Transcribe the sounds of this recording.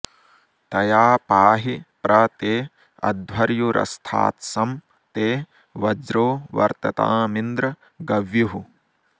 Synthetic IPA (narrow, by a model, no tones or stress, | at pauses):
t̪ɐjaːpaːɦipɾɐt̪eː | ɐ̰d̪ʋɐɾjuɾʔɐ̰st̪ʰa̰ːt̪sɐm | t̪eː | ʋɐd͡ʒɾoːʋɐ̰ɾt̪ɐt̪a̰ːmind̪ɾɐ | ɡɐʋjuɦu